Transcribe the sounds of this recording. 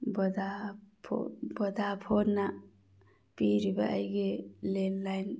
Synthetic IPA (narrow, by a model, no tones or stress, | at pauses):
bɔd̪apʰo̰bɔd̪apʰonːa | piɾiba̰ʔajɡelenlajn